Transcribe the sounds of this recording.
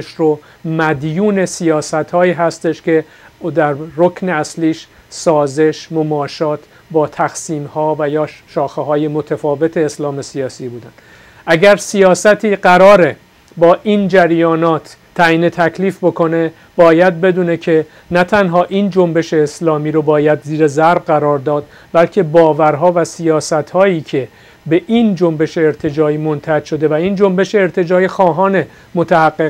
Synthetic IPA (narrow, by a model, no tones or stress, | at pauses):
ʃɾo | mæd̪juːne̞sijɒːsæt̪hɒːiːɦæst̪e̞ʃcʰe̞ | d̪æɾro̞kʰneæsliːʃ | sɒːze̞ʃmomɒːʃɒːt̪ʰ | bɒːt̪ʰæxsiːmhɒːvæjɒːʃɒːxeɦɒːje̞mo̞t̪ʰæfɒːve̞t̪ʰe̞ːslɒːme̞sijɒːsiːbuːd̪ænd̪̥ | ʔæɟæɾsijɒːsæt̪ʰiːɢæɾɒːɾe̞ | bɒːʔind͡ʒæɾjɒːnɒːt̪ʰːæiːnet̪ʰæcʰliːfbo̞kʰo̞ne̞ | b̥ɒːjæd̪̚be̞d̪uːne̞cʰe̞ | næt̪ʰænɦɒːʔiːnd͡ʒombe̞ʃe̞ːslɒːmiːɾobɒːjæd̪ziːɾezæɾbɢæɾɒːɾd̪ɒːd̪̥̚ | bælcʰe̞bɒːvæɾɦɒːvæsijɒːsæt̪hɒːiːcʰe̞ | be̞ʔiːnd͡ʒo̞mbe̞ʃe̞ːɾt̪ʰe̞d͡ʒɒːiːmont̪ʰæd͡ʒʃo̞d̪e̞væiːnd͡ʒo̞mbe̞ʃeːɾt̪ʰe̞d͡ʒɒːixɒːɦɒːne̞ | mot̪ʰæhæɡːe